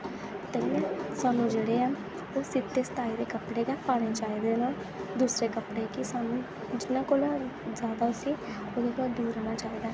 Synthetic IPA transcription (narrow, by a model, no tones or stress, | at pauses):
t̪ə̃ɛ̃saːnũːd͡ʒeːɽeːaː | oːsɪt̪ːeːst̪aːid̪eːkəpɽeːkɛːpaːɽ̃eːt͡ʃaːid̪eːnaːl | d̪uːsɾeːkəpɽekisaːnũː | d͡ʒɪnãːkoːlaːzjaːd̪aːʊsi | oːd̪ekod̪uːɾɛːnaːt͡ʃaːiːd̪aː